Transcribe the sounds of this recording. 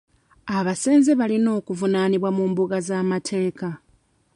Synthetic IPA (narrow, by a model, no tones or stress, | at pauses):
aβase̞ːnzeβalino̞ːkuvunaːniβwamuːmbuɡazaːmatʰe̞ːka